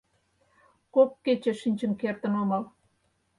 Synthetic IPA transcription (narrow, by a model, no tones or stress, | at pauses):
kokːet͡ɕĕʃinʲt͡ɕə̆nkert̪ə̆nomɑl